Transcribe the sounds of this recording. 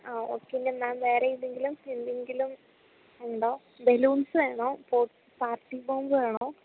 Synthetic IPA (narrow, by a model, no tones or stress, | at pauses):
aoːkːenːemnaːnʋeːɾejinːeŋɡilumend̪eŋɡilum | uɳɖoː | beluːnsɨʋeːɳoːpoː | paːrʈːiboːmbɨʋeːɳoː